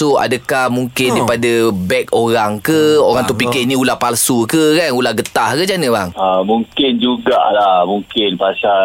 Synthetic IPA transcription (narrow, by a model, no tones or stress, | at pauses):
ua̰dakahmuŋkɪndapadabɛk̚oɾaŋkəoɾaŋt̪upikɪnĩulahpalsukəkanulahɡət̪ahkəd͡ʒanəbaŋəmuŋkɪnd͡ʒuɡa̰ʔlahmuŋkɪnpasa